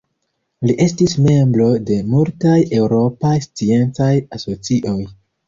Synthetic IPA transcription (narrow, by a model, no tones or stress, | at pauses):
liʔe̞stisme̞mbɾo̞de̞multaje̞wɾo̞pajst͡sie̞nt͡sajaso̞t͡siʔo̞j